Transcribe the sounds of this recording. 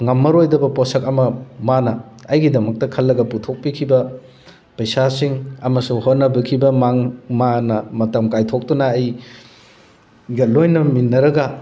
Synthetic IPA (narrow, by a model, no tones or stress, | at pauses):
ŋɐmːɐɾojdɐbɐposɐkɐmɐmanɐːjɡidɐmɐk̚tɐkʰɐlːɐɡɐputʰok̚pikʰibɐ | pɐjsasiŋɐmɐsuhotnːɐbɐkʰibɐmaŋmanɐmɐtɐmkajtʰok̚tunɐːj | ɡɐlojnɐminːɐɾɐɡɐ